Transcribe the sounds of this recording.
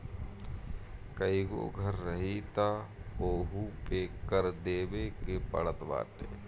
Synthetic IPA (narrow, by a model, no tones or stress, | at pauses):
kəiɡo̰ːɡʱəɾːəɦit̪aoːɦupekəɾd̪eːbekepə̰ɽət̪ba̰ːʈḛː